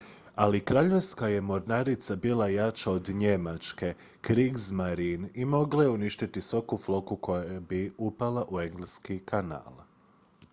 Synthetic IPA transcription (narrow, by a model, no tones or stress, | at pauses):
alikɾaʎe̞ʋskaje̞mo̞ɾnaɾit̪sabiːlˠajat͡ʃaod̪ɲe̞mat͡ʃke̞ | kɾiɡzmaɾinimo̞ɡlaje̞uniʃt̪it̪isʋakuflo̞kuko̞jabiupalˠaʔue̞ŋɡleskikʰana̰ːlˠ